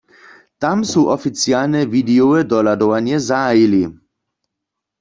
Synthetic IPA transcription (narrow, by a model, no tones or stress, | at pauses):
t̪amsuːʔɔfit͡sjalnɛvid̪ɛoəd̪ɔlad̪ɔʋanjɛzaːjili